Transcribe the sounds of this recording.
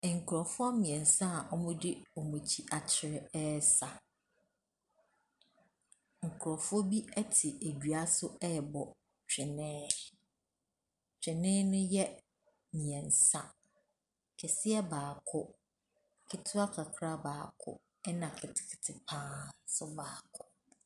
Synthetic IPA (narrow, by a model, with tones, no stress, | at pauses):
ŋ̩˨kʰʊ˨ɾɔ˨fʊ˦a˦mĩ˨ɛ̃˨n̩˨sa˦˨ʔɔ˦mʊ̃˦dɪ˦ɔ˨mũ˨t͡ɕʰi˦ʔa˨t͡ɕʰɪ˨ɾɪ˦ɛ˦sa˨ | ŋ̩˨kʰʊ˨ɾɔ˨fʊ˦ɔ˦bi˦ɛ˦tʰɪ˨e˨dɥa˦sʊ˦ɛ˦˨bɔ˨ | t͡ɕᶣɪ˨nɪ̃ː˦ | t͡ɕᶣɪ˨nɪ̃˦nʊ̃˦jɛ˦ | nĩ˨ɛ̃˨n̩˨sa˦ | kʰɛ˨sɪ˦ɛ˦baː˨kʰʊ˦ | kʰɪ˦tʰʊ˦a˦kʰa˨kʰɾa˦baː˨kʰʊ̰˦ | ɛ˦nã˨kʰɪ˨tʰɪ̥˨kʰɪ̥˨tʰɪ˨pʰãː˦n˦sʊ˦baː˨kʰʊ˦